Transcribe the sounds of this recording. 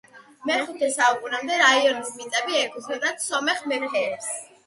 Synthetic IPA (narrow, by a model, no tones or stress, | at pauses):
mɛχut̪ʰɛsaukʼunamd̪ɛɾaiɔnismit̪ʼɛbiɛɡɔzɛd̪at̪sɔmɛχmɛpʰɛɛs